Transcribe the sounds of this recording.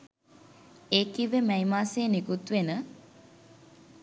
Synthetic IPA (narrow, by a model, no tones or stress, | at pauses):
eːkiʋemɛimaːseːnikut̪ʋenə